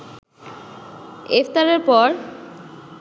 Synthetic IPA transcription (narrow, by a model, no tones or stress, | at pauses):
eft̪aɾeɾpɔɾ